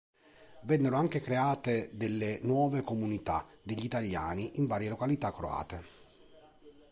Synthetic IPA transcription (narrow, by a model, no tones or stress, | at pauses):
vɛnːeɾoaŋk̟ekɾeaːt̪ed̪elːenwɔːvekomunit̪a̰d̪eʎːit̪aʎːa̰ːniʔiɱvaːɾjelokalit̪akːɾoa̰ːt̪e